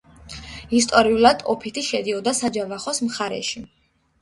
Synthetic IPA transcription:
ist̪ʼɔɾiulˠad̪ɔpʰit̪ʰiʃɛd̪iɔd̪asad͡ʒavaχɔsmχaɾɛ̰ʃi

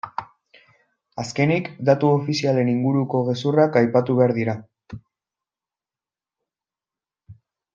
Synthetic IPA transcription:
aske̞nikd̪at̪uo̞fisiale̞niŋɡuɾuko̞ɣ̞e̞surakajpat̪uβe̞aɾðiɾa

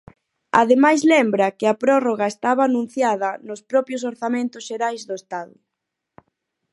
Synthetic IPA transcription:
a̰ðemajzlɛmbɾɐkɪɐpɾɔroɣaest̪aβaːnũn̟θjaðɐnʊspɾɔpjʊs̬oɾθamẽnt̪ʊsʃeɾajzðʊest̪aðʊ̰

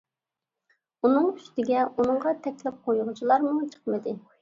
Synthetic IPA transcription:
unɨŋyst̪ɪɡʲɛʔunɨŋʁɑt̪ʰɛkʲlɪp̚qʰojʁʊt͡ʃʰilˠɑɾmut͡ʃʰə̥qmɨd̪ɨ

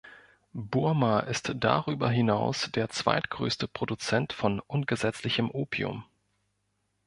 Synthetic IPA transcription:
buɐmaʔɪstd̥a̰ʁyːbɐɦɪnaʊsd̥eːɐt͡sv̥a̰ɪtɡ̥ʁø̰ːstəpʁ̥odut͡sɛntfɔnʔʊnɡəzɛt͡slɪçəmʔoːpʰiʊ̰m

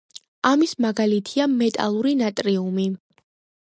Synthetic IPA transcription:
amismaɡalit̪ʰiamɛt̪ʼa̰lˠuɾinat̪ʼɾiumi

